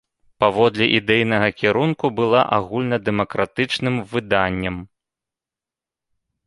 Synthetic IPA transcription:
pavɔd̪lʲɛʔid̪ɛjnɐɣɐkʲiɾunkubɨlˠaʔaɣulʲnɐd̪ɛmɐkɾat̪ɨt͡ʂnɨmvɨd̪anʲːɐm

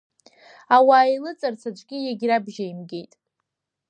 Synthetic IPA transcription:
awaːilɨt͡sʼart͡sʰat͡ʃʷʼɡʲijaɡʲɾabʒajimɡʲe̞jtʼ

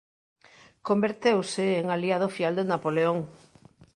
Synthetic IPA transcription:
kombeɾt̪ewsɪːŋaliað̞ofjald̪enapoleoŋ

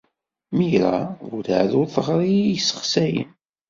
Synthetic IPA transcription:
miɾaɡuða̰ʕðʊɾθəʁɾˤijsːə̥χsæjə̰n

